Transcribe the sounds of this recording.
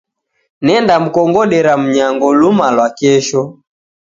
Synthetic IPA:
nɛndam̩kɔŋɡɔɗɛɾam̩ɲaŋɡɔlumalwakɛʃɔ

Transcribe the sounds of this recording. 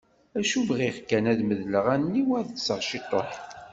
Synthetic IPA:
æʃubʁiʁkːænæðməðləʁænːiwæðsəʁʃit̪ˤːoħ

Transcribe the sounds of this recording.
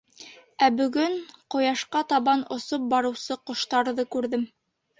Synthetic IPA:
æbɵ̆ɡɵɴqŏjɑʃqɑt̪ɑβɑnŏsop̚bɑɾɤ̆wsɤqŏʃt̪ɑɾðɤkʉɾðɘm

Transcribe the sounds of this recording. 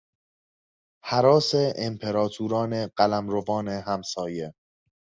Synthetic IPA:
hæɾɒːseʔempʰe̞ɾɒːt̪ʰuːɾɒːneɢælæmɾovɒːneɦæmsɒːje

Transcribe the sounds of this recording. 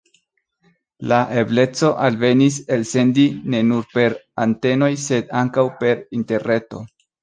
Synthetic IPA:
laʔe̞ble̞t͡so̞ʔalve̞nis̬e̞lse̞ndine̞nuɾpe̞ɾante̞no̞jse̞d̪aŋkawpe̞ɾinte̞ɾne̞to̞̰

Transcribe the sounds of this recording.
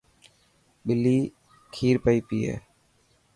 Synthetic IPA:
ɓɪlːiː | kʰiːɾpəiːpiːḛː

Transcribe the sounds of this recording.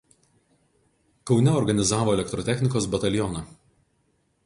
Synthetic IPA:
kɒʊnʲɛɔɾɡɐnʲɪzɑːʋoːɛlʲɛkt̪ɾɔt̪ʲɛxʲnʲɪkoːsbɐt̪ɐlʲjɔnɑ

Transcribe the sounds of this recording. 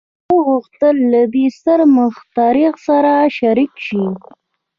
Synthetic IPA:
əɣuxt̪əlːad̪est̪əɾməxt̪ɑɾixsaɾaʃaɾikʃi

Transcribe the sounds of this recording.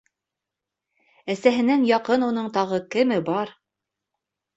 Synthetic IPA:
æsæɦɘ̆næŋjɑqɤnun̪ɤɴt̪ɑʁɤkɘ̆mɘbɑɾ

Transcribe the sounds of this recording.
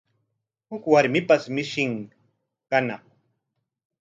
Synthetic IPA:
hʊkwaɾmɪpasmɪʃɪŋ | kana

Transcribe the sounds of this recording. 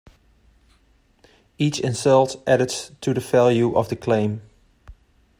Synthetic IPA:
it͡ʃɪ̃nsɜlˠtʔæɾɨdstʰuðəvælˠjuʔʌ̰vðəkʰl̥ẽɪ̃m

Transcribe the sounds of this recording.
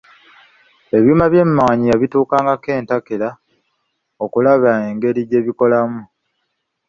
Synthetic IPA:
e̞βjuːmaβje̞mmawaɲijaβituːkaːŋɡake̞ːntakela | o̞kulaβae̞ŋɡe̞ɾiɟe̞ːβiko̞lamu

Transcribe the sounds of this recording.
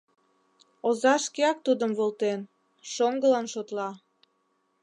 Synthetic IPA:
ozɑʃkeɑk̚t̪ud̪əmβolt̪en | ʃoŋɡəlɑnʃot̪lɑ

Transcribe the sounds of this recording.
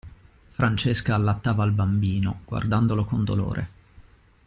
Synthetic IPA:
fɾant͡ʃeskaːlːat̪ːaːvaːlbambiːnoɡ̥wa̰rd̪and̪olokond̪o̰lo̰ːɾʔḛ

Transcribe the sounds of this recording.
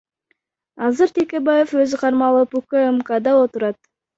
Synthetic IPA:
ɑzɨɾt̪ʰekʲe̞baje̞fø̞zɪqʰɑɾmɑlˠɯpukəemkad̪ɑo̞t̪uɾɑt̪̚

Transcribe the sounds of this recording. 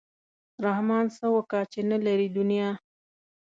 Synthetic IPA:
ɾahmɑnsawakɑt͡ʃenalaɾid̪ʊnijɑ

